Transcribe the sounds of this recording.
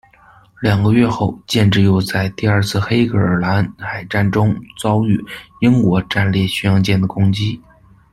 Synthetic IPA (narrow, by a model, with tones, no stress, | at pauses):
ljɑ˨˩ŋɡə˦ɥɛ˥˧xo˥˧ʊt͡ɕjɛ˥˧nʈ͡ʂɻ̩˥˩jo˥˧ʊt͡sa˥˧ɪt̪i˥˧ɐ˞˥˧t͡sʰɹ̩˥˩xe˥ɪkə˨˩˥ə˞˨˩la˧˥nxa˨˩ɪʈ͡ʂa˥˩nʈ͡ʂʊ˥ŋt͡sɑ˥ʊy˥˩i˥ŋkwɔ˧˥ʈ͡ʂa˥˧nljɛ˥˩ɕy˥jɑ˥ŋt͡ɕjɛ˥˩nd̪ə˩kʊ˥ŋt͡ɕi˥